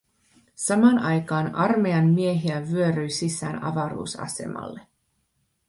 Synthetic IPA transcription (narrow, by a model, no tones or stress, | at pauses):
sɑmɑnɑjkɑːnɑrmeɑnːieɦiæʋyø̞ɾyjsisˑæːnɑ̰ʋɑɾṵːsɑ̰se̞̰mɑ̰lːe̞